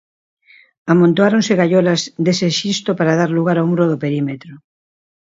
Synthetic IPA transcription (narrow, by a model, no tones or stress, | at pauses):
amõnt̪oaɾonseɣaʎolɐzd̪eseʃist̪opaɾaðaɾluɣaɾawmuɾoðopeɾimet̪ɾo